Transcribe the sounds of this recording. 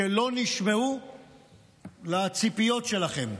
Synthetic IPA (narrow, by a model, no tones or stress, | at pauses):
elo̞niʃmeu | lat͡sipijo̞tʃe̞laχe̞m